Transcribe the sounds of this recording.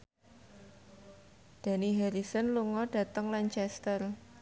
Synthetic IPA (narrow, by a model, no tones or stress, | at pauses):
d̪̥a̤niɦɛɾisənluŋɔɖ̥ä̤t̪əŋlaɲt͡ʃɛst̪ər